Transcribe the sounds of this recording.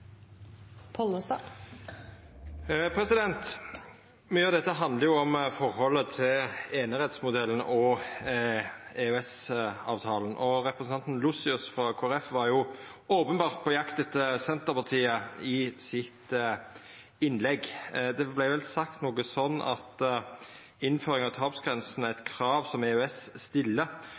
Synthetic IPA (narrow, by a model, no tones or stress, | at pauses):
pʰɔləst̪ɑ | pʰɾɛsɪd̪ɛnt̪ | myːəɑʋd̪ɛt̪ːəɦɑnd̪ləɾjʊɔmfɔʁhɔlːət̪ʰɪleːnəɾɛt̪smʊd̪ɛlːən̩ɔ | eœɛsɑ̰ːʋt̪ʰɑːlənʔɔɾɛpɾəsn̩ʰɑnt̪n̩lʊsɪʉsfɾɑkʰoːæɾɛfʋɑɾjʊ | oːpənbɑːʁt̪̚pʰɔjɑkt̪d̪ɛt̪ːəsɛnt̪əpɑʁt̪ʰiːəɪsɪt̪ | ɪnlɛɡd̪ɛblæɪʋɛlsɑkt̪noːɡəsɔnːɑ̰t̪ | ɪnføːɾɪŋɑʋt̪ʰɑːpsɡʁɛnsnæɪt̪kʰɾɑːʋsɔmɛœɛsst̪ɪlːə